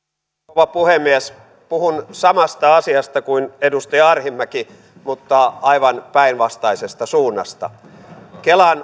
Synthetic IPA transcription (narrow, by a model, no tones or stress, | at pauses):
oʋɑpuhemːies | puhunsɑmɑst̪ɑɑsiɑst̪ɑkuinedust̪ɑjɑɑrhimːæki | mut̪ːɑɑiʋɑnpæinʋɑst̪ɑisest̪ɑsuːnːɑ̰st̪ɑ̰ | kelɑn